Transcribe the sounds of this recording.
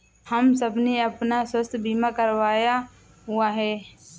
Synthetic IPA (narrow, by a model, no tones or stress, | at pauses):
həmsəbneəpnaswəst̪ʰbʱiːmakəɾʋaːja | ɦʊaɦɛː